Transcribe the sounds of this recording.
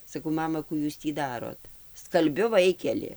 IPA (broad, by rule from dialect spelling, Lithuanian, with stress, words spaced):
sɐˈkɐʊ ˈmɑːmɐ ˈkuː ˈjuːs tʲiː ˈdɑːroːt skɐlʲˈbʲʊ ˈʋɐɪkʲɛlʲɪ